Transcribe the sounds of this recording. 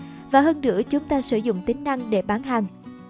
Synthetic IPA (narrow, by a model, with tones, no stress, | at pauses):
vaː˨˩ɦəː˧nɗɨ̰˧˥ət͡ɕʊ˨˦ŋ͡mt̪aː˧sɨ̰˧˩zʊ̰˧˨ŋ͡mt̪ï˨˦ŋ̟na˧ŋɗe˧˩ɓaː˨˦nɦa˨˩ŋ